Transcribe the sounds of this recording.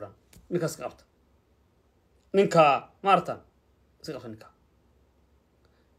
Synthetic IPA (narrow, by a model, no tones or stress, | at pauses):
ɽa̰ːn | nɪŋkaːskʰɐqɑbt̪ʰɐ̥ | nɪŋkʰaːmaːɾt̪ʰaːn | ɪskɐqɑb̚t̪ɐnɪ̃ŋkʰaː